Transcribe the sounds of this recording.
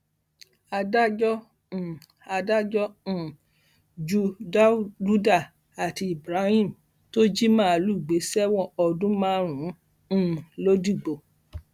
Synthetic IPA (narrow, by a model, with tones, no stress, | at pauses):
a˧da˦d͡ʒɔ̃˦˨ | a˧da˦d͡ʒɔ˦ũ˨ | d͡ʒu˦da˦d͡ʒu˦da˦˨ | a˨ti˧i˨bɾa˨˦hĩ˦˨m̩ | to˦d͡ʒi˦mã˦a˧˨lu˦˨ɡ͡be˨˦sɛ˦wɔ̃˦˧ɔ˧dũ˦mãː˦ɾ̃ũ˨˦˨ | lo˦di˦˨ɡ͡bo˨